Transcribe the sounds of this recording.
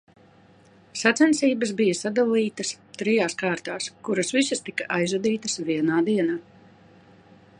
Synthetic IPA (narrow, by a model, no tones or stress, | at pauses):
sat̪sɛnsiːbɐs̬bijɐsad̪alˠiːt̪ɐs | t̪ɾijaːskaːɾt̪aːskuɾɐsvisɐst̪ikɐʔajzud̪iːt̪ɐsviɛnaːd̪iɛnaː